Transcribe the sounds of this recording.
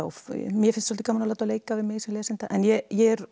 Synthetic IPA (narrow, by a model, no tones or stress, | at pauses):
fmjɛfɪnst̪sɔlt̪ɪ̥kamanalaːt̪aleːjkavɪðmɪɣsɛnlɛːsɪnt̪aʔɛnjɛjɛɾ